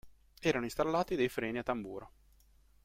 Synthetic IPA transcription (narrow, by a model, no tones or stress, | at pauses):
ɛːɾanoist̪alːaːt̪id̪ejfɾɛːniat̪ːambuːɾo